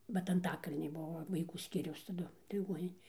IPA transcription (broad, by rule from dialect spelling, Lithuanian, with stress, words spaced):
bʲɛt ɐnˈtɑːkɐlʲnʲiː ˈbʊʋoː ʋɐɪˈkuː ˈsʲkʲiːrʲɛʊs tɐˈdʊ lʲɪˈɡuɔnʲɪnʲeː